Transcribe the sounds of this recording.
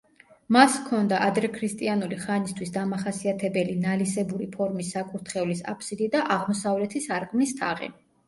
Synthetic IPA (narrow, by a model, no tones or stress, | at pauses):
maskʰɔnd̪aʔad̪ɾɛkʰɾist̪ʼianuliχanist̪ʰwisd̪amaχasiat̪ʰɛbɛlinalisɛbuɾipʰɔɾmisːakʼuɾt̪ʰχɛvlisa̰pʰsid̪id̪aʔaʁmɔsavlɛt̪ʰisaɾkʼmnist̪ʰaʁḭ